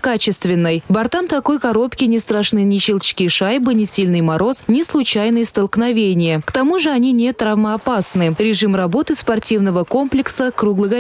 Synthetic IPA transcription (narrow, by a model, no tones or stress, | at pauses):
kat͡ɕɪst̪vʲɪnːəjbɐrt̪amt̪ako̞jkaɾo̞pkʲɪnʲɪst̪raʂnɨjnʲɪt͡ɕɪlˠt͡ɕkʲijʂajbɨnʲɪsʲilʲnɨjmaɾo̞snʲɪslˠʊt͡ɕajnɨjəst̪əlˠknavʲenʲɪjəkt̪amuʐɨɐnʲinʲet̪rɐvməɐpasnɨɾʲɪʐɨmrabo̞t̪ɨspɐrtʲivnəvəko̞mplʲɪksəkruɡlˠəɣə